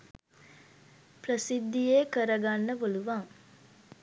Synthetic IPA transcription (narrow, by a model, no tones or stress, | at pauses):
prəsid̪ːijeːkəɾɐɡanːəboluʋaŋ